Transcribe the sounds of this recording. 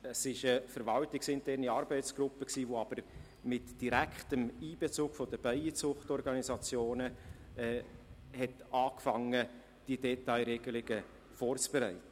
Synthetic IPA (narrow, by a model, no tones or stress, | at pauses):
əsɪʃəfəɾʋɑltɪksɪntʰɛɾniɑɾbɛɪtt͡sɡ̥ɾʊpːəksiːʋoɑb̥əɾ | mɪtd̥iɾækχtəmiːbɛt͡suːɡ̥fɔd̥əb̥æɪət͡sʊχtɔɾɡɑnisɑt͡sjoːnə | ɛː | hɛtɑːkfɑŋːə | d̥idɛtaɪɾɛɡ̥əlɪɡə | foːrt͡sb̥eɾæɪtə